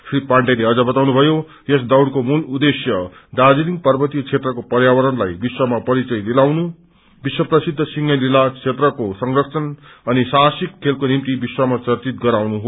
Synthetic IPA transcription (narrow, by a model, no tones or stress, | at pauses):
sripaɳʈeleʌd͡zʌbʌt̪awnubʱʌjo | jesd̪awɽkomulud̪esjʌ | d̪ad͡ziliŋ̚pʌrbʌt̪ikt͡ʃʰet̪rʌkopʌrjawʌɾʌnlajbiswamapʌɾit͡sʌjlilawnu | biswʌprʌsid̪ʱːʌsiŋʌlilat͡sʰet̪rʌkosʌŋrʌksʰʌn | ʌnisasikʰːelpkonimt̪ibiswamat͡sʌrt̪it̪̚ɡʌɾawnuɦo